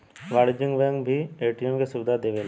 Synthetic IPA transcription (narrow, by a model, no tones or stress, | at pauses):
ʋaːɽd͡ʒɪ̃ŋɡʋəjə̃ŋɡbʱieːʈiemkesʊbɪd̪ʱad̪eːʋela